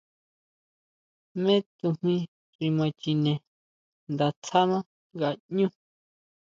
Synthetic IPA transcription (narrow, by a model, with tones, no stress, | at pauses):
mẽ˦t̪u˧mĩ˧ | ʐi˧mã˧t͡ʃi˧nẽ˨ | nd̪a˧t͡sʰa˦nã˦ | ɡa˧˨ɲũ˦